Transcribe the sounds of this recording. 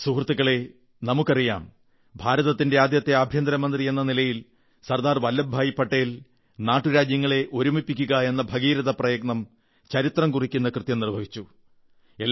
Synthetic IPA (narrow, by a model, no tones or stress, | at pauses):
suhrɐt̪ːukːɐɭe̞ | nɐmukʲːɐrija̰ːm | bʱaːɾɐðɐt̪ːinde̞aːd̪jɐt̪ːe̞ɐbʱjɐnd̪ɾɐmɐnd̪rie̞nːɐnilɐjil | sɐrd̪aːrʋɐlːɐbʱaːjipːɐʈːɐjil | naːʈːuɾaːd͡ʑjɐŋːɐɭe̞ʔo̞ɾumipːikʲːuɣɐe̞nːɐbʱɐɣiːɾɐðɐprɐjɐɡ̚nɐm | t͡ɕɐɾit̪rɐmkurikʲːunːɐkrɨt̪jɐmnirbʱɐʋit͡ɕːu | e̞ː